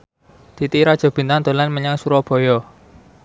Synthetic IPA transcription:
d̪̥i̤t̪iɾɔd̥ʒ̥ɔ̤b̥i̤nt̪and̪o̤lanməɲaŋsuɾɔb̥ɔ̤jɔ

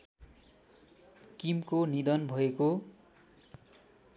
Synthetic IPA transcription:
kimkonid̪ʌnbʱʌeko

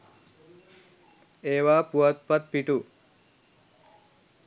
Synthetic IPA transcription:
eːʋaːpuɐt̪̚pɐt̪̚piʈu

